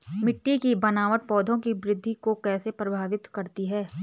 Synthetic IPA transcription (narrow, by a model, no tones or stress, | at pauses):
mɪʈːikibɐnaːʋəʈ̪̚pɔːd̪ʱõkibɾɪd̪ʱːikokɛːsepɾɐbʱaːʋɪt̪kɐɾt̪iɦɛː